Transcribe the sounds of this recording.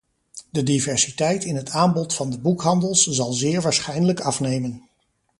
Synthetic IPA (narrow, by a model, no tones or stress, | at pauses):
dədivɛɹsitɛjtɪnɦətʰaːmbɔtfɑndəbukɦɑndəlˠszɑlˠzɪːɹʋaːɹsχɛjnələkɑfnejmən